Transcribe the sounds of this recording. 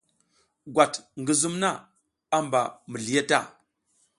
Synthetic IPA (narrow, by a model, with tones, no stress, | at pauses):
ɡʷa˨tŋɡə˦zu˦mna˦ | a˦mba˨mə˨ɮi˨ja˦ta̰˦˨